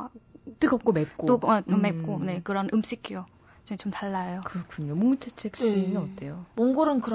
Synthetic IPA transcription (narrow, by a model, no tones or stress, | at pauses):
t͈ɯɡʌp̚k͈omep̚k͈ooɡomep̚k͈one̞kɯɾʌnʔɯmɕ͈ikʰijo | t͡ɕet͡ɕomtaɭːajokɯɾʌkʰuɲomuŋut͡ɕʰet͡ɕʰek̚ɕ͈iinɯʌt͈e̞jomoŋɡoɾɯnkɯɾʌ